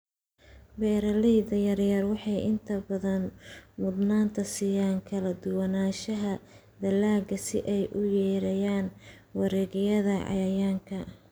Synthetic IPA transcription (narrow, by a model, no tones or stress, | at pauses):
bɛːɾɐlɛjd̪ɐjɐrjɐrwɑħɑjʔɪnt̪ʰɐbɐðɐnmʊd̪naːnt̪ʰɐsijaːŋkʰɐlɐd̪ʊwɐnaːʃɐɦɐ | d̪ɐlaːɡɐsɪ̰ʔɛjʔʊjɛːɾɐjaːn | wɑɾɛːɣɪjɐðɐʕɑ̰jɐjaːŋkʰɐ